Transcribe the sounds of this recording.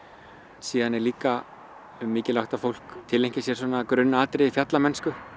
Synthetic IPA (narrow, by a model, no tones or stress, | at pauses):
siːðanɛɾliːka | mɪːcɪlawht̪afowl̥kt̪ʰɪlejɲ̥cɪsjɛɾsɔːnaːkɾʏnːaaːt̪ɾɪɪfjat̪lamɛnskʏ